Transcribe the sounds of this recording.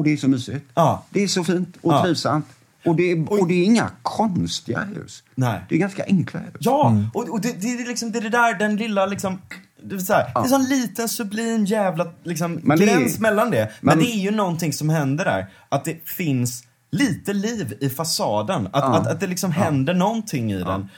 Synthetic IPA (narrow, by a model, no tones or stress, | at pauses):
ɔd̪ɛːʂɔmyːsɪt̪ɑːd̪̥ɛːʂɔfiːnt̪ɔɾiːvsa̰mt̪ | ɔd̪ɛɔd̪ɛːɾɪŋːa̰kʰɔnst̪ɪɡa̰hʉ̟̰ːsdnɛɪd̪ɛɛɡanska̰ʔɛŋkʰlajɑːɔɔd̪ɛd̪ɛlɪksɔmd̪ɛd̪ɛd̪æɾɖɛnlɪlːalɪksɔm | d̪ɛvɛsaad̪ɛs̬ɔnliːt̪ənsɵbliːmjæːvlalɪksɔmmɡɾnsmɛlːand̪ɛmɛnd̪ɛːɾjɵnɔnt̪ʰɪŋsɔmɦɛnd̪əɖæ̰ɾ | ʔat̪̚d̪ɛfɪns | liːt̪əliːvɪfasɑːd̪ənat̪at̪at̪̚d̪ɛlɪksɔmɦɛnd̪əɳɔnt̪ʰɪŋːɪ̰d̪ɛ̰n